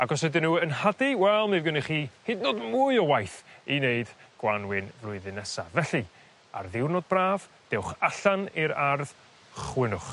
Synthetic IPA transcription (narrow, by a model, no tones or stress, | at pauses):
aɡɔs̬hɛdɪnuːənhadiwɛlˠmɪvɡəniχiːhednodmuːɨɔwajθineɨd̥ɡ̥wanwɪnvlʊɨðɨnɛsa̰vɛɬi | a̰rðɪwrnɔd̚braːv̥ | d̥ɛwχaɬaniɾarð̥ | χwɪnʊχ